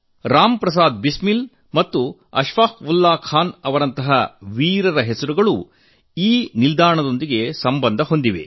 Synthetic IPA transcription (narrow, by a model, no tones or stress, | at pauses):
ɾaːmpɾɐs̬aːd̪̚bismil | mɐt̪ːuɐ̰ʃʋaːkʋulːaːkʰaːnɐʋɐɾɐnt̪ɐɦɐʋiːɾɐɾɐɦesɐɾuɡɐɭu | iːnild̪aːɾɳɐd̪o̞nd̪iɡe̞sɐmbɐnd̪ʱɐɦo̞nd̪iʋe̞̰